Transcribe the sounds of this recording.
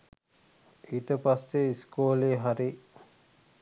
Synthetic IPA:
iːt̪əpasːeiskoːleɦaɾi

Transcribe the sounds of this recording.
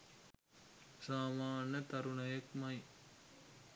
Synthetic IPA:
saːmaːnɐt̪ɐɾuɳɐjɐkmɐj

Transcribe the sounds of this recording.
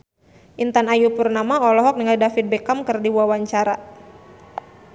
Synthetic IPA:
ʔint̪anajupurnamaɔlɔɦɔk̚niŋaldafit̪̚bɛkamkɨrdiwawaɲt͡ʃaɾa

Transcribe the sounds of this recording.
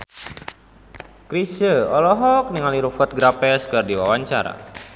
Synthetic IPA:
kɾisəɔlɔɦɔk̚niŋaliɾufət̪̚ɡɾapɛskərdiwawaɲt͡ʃaɾa̰

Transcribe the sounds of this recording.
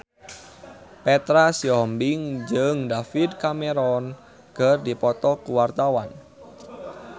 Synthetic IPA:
pɛt̪ɾasiɔmbɪŋd͡ʒəŋdafid̪̚kameɾɔn | ɡ̥ərdipɔt̪ɔkuwart̪awan

